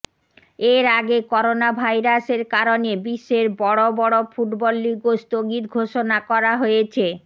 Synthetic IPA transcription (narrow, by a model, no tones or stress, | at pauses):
eɾaɡekɔɾonabʱajɾaseɾkaɾonebiʃːeɾbɔɽobɔɽofuʈbɔlːiɡost̪oɡit̪ɡʱoʃonakɔɾaɦojet͡ɕʰe